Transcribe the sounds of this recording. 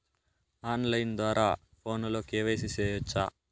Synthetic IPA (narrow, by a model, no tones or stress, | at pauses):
aːnlɐjnd̪ʋaːɾʔaː | pʰo̞ːnlo̞ːkeːʋɐjs̬isɛːjɔt͡ʃːaː